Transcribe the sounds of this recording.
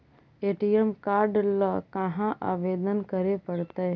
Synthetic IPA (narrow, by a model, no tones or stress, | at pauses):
eːʈijemkaːɾɖləkãɦãʔaːʋeːd̪ənkəɾepəɽt̪a